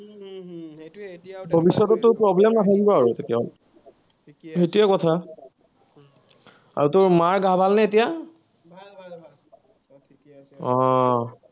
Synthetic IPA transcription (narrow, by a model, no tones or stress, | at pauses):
bʱobisːɔtɔtːʊɹpɹɔblɛmnatʰaɡibɔaɹutʰekijaɔl | ɦetiakɔtʰa | a̰ɹutʊɹmaɹɡʱabʱalnɛetija | ɔ